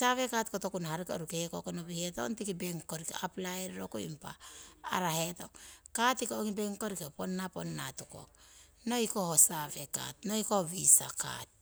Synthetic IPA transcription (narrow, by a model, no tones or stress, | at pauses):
saβe̞katko̞to̞kunahaɾiko̰ɾukekokonoβiheto̰ntikibe̞ŋko̞ɾikeaplaeɾɾo̞koḭmpa̰ːɾahe̞to̞kkatikeoŋibe̞ŋko̞ɾikepo̞nːapo̞nːa̰tuko̞̰k | no̞iko̞hosaβe̞ka̰tno̞jkoβisa̰ka̰t̚